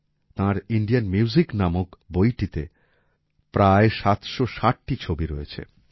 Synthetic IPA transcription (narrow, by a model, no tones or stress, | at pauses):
t̪ãɾiɳɖijanmiuziknamokbojʈit̪e | pɾaeʃat̪ʃoʃaʈ̚ʈit͡ɕʰobiɾoet͡ɕʰḛ